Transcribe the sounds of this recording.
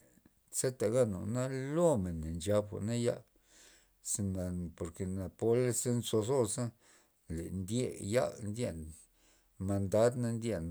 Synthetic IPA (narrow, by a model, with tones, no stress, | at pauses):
se˦t̪a˨ɡa˦no̰˨na˦lo˦me˨n˨nd͡ʒa˧bxʷa̰˨na˦ja̰˦ | se˧na˨po˨ɾke˨na˨po˦le˦sa˦nso˧so˦sa˦ | lḛ˨nd̪ʲje˦ja̰˦nd̪ʲje˦˨n | ma˧nd̪a˦d̪na˦nd̪ʲje˧n